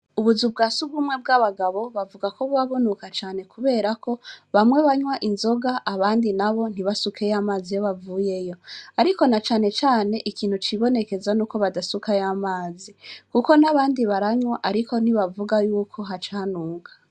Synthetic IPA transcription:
uβuzubɡaːsuɡumŋe̞b̚ɡaβaɡaβo̞βavuɡakoβuβaβo̞nukat͡ʃaːne̞kuβe̞ːɾako̞βamŋwe̞βaɲwaʔinzo̞ɡaʔːβaːndinaβo̞n̥iβasukʰe̞jamaːzijo̞βavuːje̞jo̞aɾiko̞nat͡ʃaːne̞t͡ʃaːne̞ʔikiːn̥hut͡ʃiβo̞ne̞ke̞zanuːko̞βadasukajamaːzikuko̞naβaːndiβaɾaɲwaʔaɾiko̞n̥iβavuɡajuːkʰo̞ɦat͡ʃaːnuːɡḁ

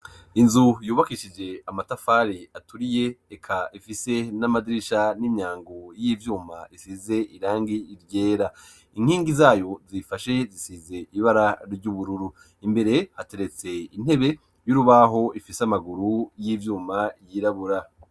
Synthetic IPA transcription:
inzujuːβakiʃid͡ʒe̞amatafaːɾiatuɾije̞ekʰaifise̞namadɾiʃaniɲaːŋɡojiːvjuːma̰isize̞ʔiɾaːŋɡiːɾɟe̞ːɾa | iŋ̥hiːŋɡizaːjo̞zifaʃe̞zisize̞ʔiβaɾaɾɟuβuɾuɾu | imbe̞ɾe̞hate̞ɾe̞t͡se̞in̥he̞βe̞ | juɾuβaɦo̞ifisamaɡuɾujiːvjuːmajiːɾaβuɾa

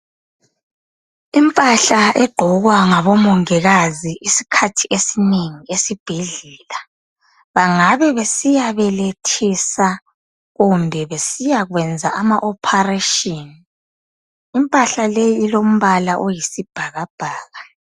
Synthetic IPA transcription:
impʼaɬaʔɛɡ͡ǃ̥ʱɔɣwaŋaβɔmɔŋɛɣaziʔisi̥kʰatʰiʔesineŋiesib̥ʱiɮɛːla | βaŋaβɛβesijaβɛletʰisa | ɣumbʱɛβesijaɣwɛnd͡zʱaamaʔɔpʰareʃɔni | impʼaɬalejiːlom̩βalaʔɔjisib̥ʱaɣab̥ʱaːɣa

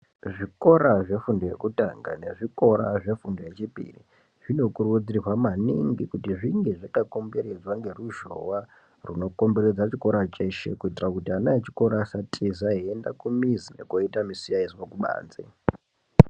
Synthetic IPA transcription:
ʐiko̞ɾaʐe̞fundoje̞̰kutaŋɡa̰ne̞ʐiko̞ɾa̰ʐe̞fundo̞je̞t͡ʃipḭrḭ | ʐino̞kurwud͡zirirwamaniŋɡikutiʐiŋɡe̞ʐakako̞mbe̞ɾed͡zwaŋɡe̞ruʒo̞̰wa | runo̞ko̞mbe̞ɾed͡zat͡ʃiko̞ɾat͡ʃeʃḛkuitirakutianaet͡ʃi̥ko̞ɾasatʰʼizaɦienda̰kumizine̞̰koitamisiaisiwokuɓa̰ːnd͡zḛ

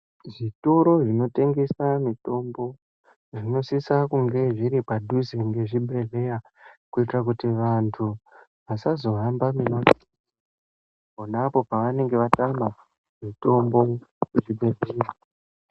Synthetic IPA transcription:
ʐito̞ɾo̞ʐino̞te̞ŋɡe̞samito̞mbo̞ | ʐino̞sisakuŋɡe̞ʐiɾipadʱuzeŋɡe̞ʐibʱe̞ɮe̞ra | kuitirak̬utiʋantʰu | ʋasazo̞ɦambaminoti | ponapo̞paʋane̞ŋɡe̞ʋatama | mito̞mbo̞kuʐibʱe̞ɮera

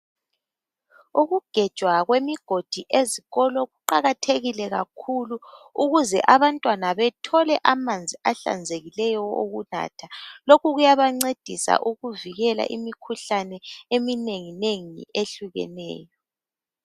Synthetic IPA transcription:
uɣuɡ̥ʱɛd̥ʒ̥ʱwaɣwemiɡ̥ʱod̥ʱiʔeziɣɔlɔɣuǃaɣatʰeɣilɛɣakʰuluuɣuzɛ̰ʔaβantʼwanaβɛtʰɔlɛʔamand͡zʱiʔaɬa̰nd͡zʱeɣilɛjɔo̰ɣuna̰ːtʰalokuɣujaβaŋ͡ǀed̥ʱisa̰ʔuɣuviɣɛla̰ʔimikʰuɬanɛemineŋineŋḭʔeɬuɣɛ̰nɛ̰ːjɔ

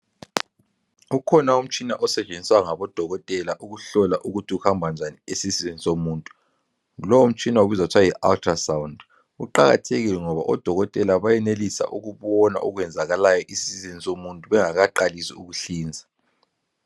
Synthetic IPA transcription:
ukʰɔnaum̩t͡ʃʼina̰ʔɔsɛt͡ʃʼend͡zʱiswaŋaβɔd̥ʱɔɣɔtʼɛlaʔuɣuɬɔlaʔuɣutʰiuhambʱand͡ʒʱaniesizizinisomuːntʼu | lɔwum̩t͡ʃʼinaoβizautʰwajiʔa̰ltʰrasawund | ṵǃaɣa̰tʰeɣilɛŋɔβa̰ʔɔd̥ʱɔɣɔtʼɛlaβajɛnelisa̰ʔuɣuβɔna̰ʔɔɣwɛnd͡zʱaɣalajɔʔisiizinisomuntʼuβɛŋaɣaǃalisiuɣuɬiːnd͡zʱa

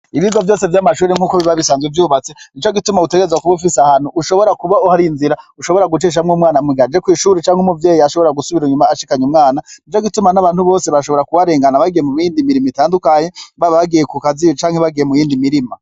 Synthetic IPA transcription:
iβizavjo̞ːse̞vjamaʃuːɾeŋ̥uːkoβiβaβisaːnzɡwivjuːβat͡se̞nit͡ʃoɡitumaute̞ɡeezwakuβufisahan̥huːʃo̞βo̞ɾakuβauhaɾinziɾauʃo̞βo̞ɾaɡut͡ʃeːʃ̬amŋomŋaːnamwiɡad͡ʒekwiːʃuːɾet͡ʃaːŋhumuvje̞ːjiaʃo̞βo̞ɾaɡusuβiɾuɲumaːʃikaɲumŋaːnanit͡ʃoɡitumanaβaːnhuβo̞ːse̞βaʃo̞βoɾakuwaɾe̞ːŋɡanaβaɡijemumjiːndimiɾimitaːndukaɲe̞βaββaɡije̞kukazijot͡ʃaːŋhe̞βaɡijemujiːndimiɾima

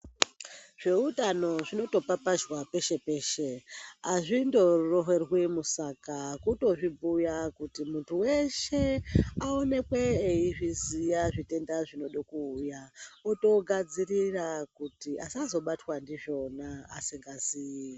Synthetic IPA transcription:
ʐ̥e̞utano̞ʐino̞to̞papaʒwape̞ʃe̞pe̞ːʃe̞aʐindo̞roɦerwimusakakuto̞ʐibʱujakutimuntʰuwe̞ʃe̞aone̞kwe̞ːiʐizijaʐite̞ndaʐino̞ɗokuːjaoto̞ɡʱad͡zirirakutiʔasazo̞ɓatwandiʐo̞na̰ːsiŋɡaziːi

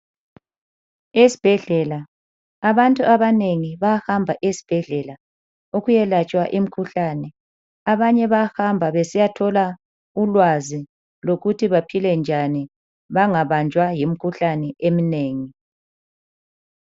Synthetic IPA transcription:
esi̥b̥ʱɛɮɛlaː | βantʼuʔaβaneŋiβahambʱaʔesi̥b̥ʱɛɮɛla | oɣujɛlat͡ʃʼwaʔim̩kʰuɬanɛ | aβaɲɛβahambʱaβesijatʰɔla | ulwazi | loɣutʰiβapʰilɛnd͡ʒʱani | βaŋaβand͡ʒʱwajim̩kʰuɬanɛemineːŋi

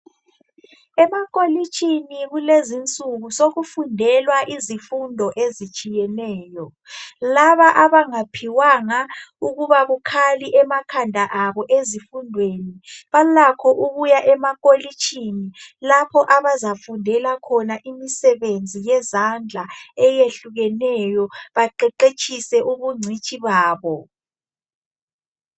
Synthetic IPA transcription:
ɛmakʼolit͡ʃʼiniɣulezint͡sʼuɣusoɣufundʱɛlwaʔizifundʱɔʔezit͡ʃʼijɛnɛːjɔ | laβaʔaβaŋapʰiwaŋauɣuβaɣukʰaliʔɛmakʰandʱaʔaβɔʔezifundʱweniβalakʰɔʔuɣujaʔɛmakʼolit͡ʃʼʰinilapʰɔʔaβazafundʱɛlakʰɔnaʔimisɛβend͡zʱijɛzand͡ɮʱaɛjeɬuɣɛnɛjɔβaǃɛǃet͡ʃʰʼisɛʔuβuŋ͡ǀʱit͡ʃʼiβaːβɔ

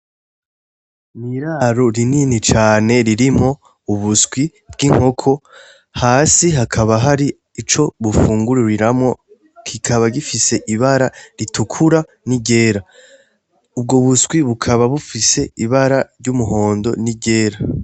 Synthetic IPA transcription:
miɾaɾoɾininit͡ʃaːne̞ɾiɾimo̞ | uβuskwi | b̚ɡiŋ̥ho̞kʰo̞ | haːsiɦakʰaβaɦaɾi | it͡ʃo̞βufuːŋɡuɾuɾiɾamŋo̞ | kʰikʰaβaɟifise̞ʔiβaɾaɾitukʰuɾa | niɟe̞ːɾa | ub̚ɡoβusɡwiβukʰaβaβufise̞iβaɾaɾɟumuɦo̞ːndo̞niɟe̞ːɾa

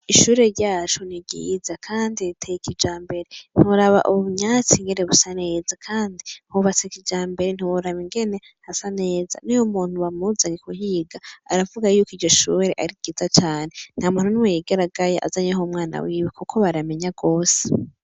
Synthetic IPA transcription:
iʃuːɾe̞ɾɟaːt͡ʃuniɡḭzakʰaːnditʰejikid͡ʒaːmbe̞ɾen̥hiuɾaβa̰ʔuββuɲaːt͡siŋɡe̞neβusane̞ːzakʰaːndihuβat͡sekid͡ʒaːmbe̞ɾen̥iβuɾaβiŋɡe̞ne̞ | hasane̞ːza̰nijomuːn̥huwamuzaŋikuɦiɡaa̰ɾavuɡajuːkiːɾɟo̞ʃuːɾeʔaɾiɡɡ̥iːzat͡ʃaːne̞n̥haːmuːn̥hunuwejiɡaɾaɡajaʔa̰zaɲeɦomŋaːna̰wiːwikukʰo̞βaɾame̞ɲaɡo̞ːse̥

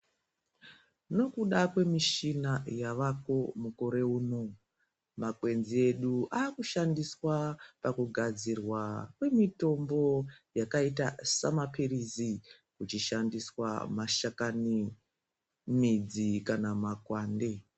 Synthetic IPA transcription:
no̞kuɗakwe̞miʃinajaʋako̞muko̞ɾe̞uːno̞ | makwe̞nzie̞ɗuʔaːkuʃandiswapakuɡʱad͡zirwakwe̞mito̞mbo̞jakaitasamapirizi | kut͡ʃiʃandiswa̰maʃakani | mid͡zikanamakwaːnde̞

